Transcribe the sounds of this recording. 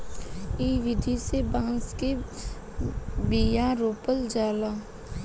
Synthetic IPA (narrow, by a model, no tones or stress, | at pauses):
iːʋɪd̪ʱisebãːnske | bijãɾoːpəld͡ʒaːlaː